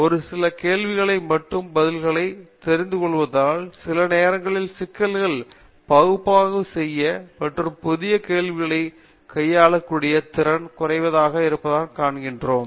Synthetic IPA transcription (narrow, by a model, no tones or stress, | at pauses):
ɔɾɯsɪlɐkeːlʋɪɣɐɭɐɪmɐʈːɯmbɐðɪlɣɐɭɐɪt̪ɛɾɪnd̪ɯkɔɭːɯʋɐðaːlsɪlɐneːɾɐŋɡɐɭɪlsɪkːɐlɣɐɭ | pɐɣɯpːaːɣɯsɛjːɐmɐʈrɯmpʊðɪjɐkeːlʋɪɣɐɭɐɪ | kʰɐjːaːɭɐkːuːɽɪjɐt̪ɪɾɐnkʊrɐɪʋɐðaːɣɐɪɾɯpːɐðaːnkaːɳɣɪndroːm